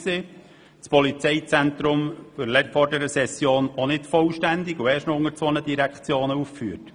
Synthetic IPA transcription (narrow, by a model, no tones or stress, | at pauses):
se | t͡spɔlit͡sɛɪt͡sænt̪ɾʊmfʏɾlɛfɔɾdɛɾəsɛsjoːnonɪtfɔlʃtænd̪ɪɡʊɛːɾʃtnɔʊŋəɾt͡sonədiɾækχt͡sjoːnəuffyːət